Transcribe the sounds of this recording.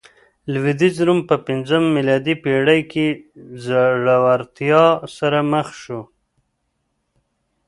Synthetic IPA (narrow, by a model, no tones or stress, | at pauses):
lwid̪izɾumpəpɪnzəmːilɑd̪ipeɽajkezaʐawaɾt̪jɑsaɾaməxʃu